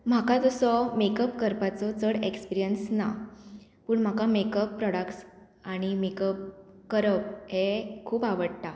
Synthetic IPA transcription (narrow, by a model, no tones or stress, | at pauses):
m̤akad͡zɔsɔmekəpkəɾpat͡sɔt͡səɽekspiɾijənsna̰ | puːɳm̤akamekəpːɾɔɽəkʈs | aɽ̃imekəp̚kəɾəp̚hekʰuːpaʋəɽt̪a